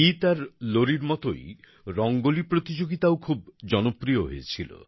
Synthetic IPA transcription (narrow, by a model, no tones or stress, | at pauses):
it̪aɾloɾiɾmɔt̪o̰i | ɾɔŋɡolipɾot̪id͡ʒoɡit̪awkʰub̚d͡ʒɔnɔpɾijɔɦḛjt͡ʃʰilo̰